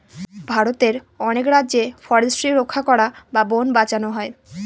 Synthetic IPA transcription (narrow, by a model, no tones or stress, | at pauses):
bʱaɾot̪eɾ | ɔnekɾadːʑefɔɾesʈɾiɾokʰːakɔɾababonbat͡ɕanoɦɔe